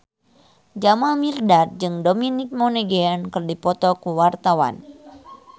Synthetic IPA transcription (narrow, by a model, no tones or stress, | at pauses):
d͡ʒamamirdat̪̚d͡ʒɨŋdominik̚monɛɡeankɨrdipɔt̪ɔkuwart̪awa̰n